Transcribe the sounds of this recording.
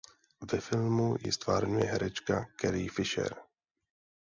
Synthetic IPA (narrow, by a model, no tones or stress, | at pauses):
vɛfɪlmujɪ̰st̪vaːɾɲujɛɦɛɾɛt͡ʃkakɛɾɪjfɪʃɛ̰ɾ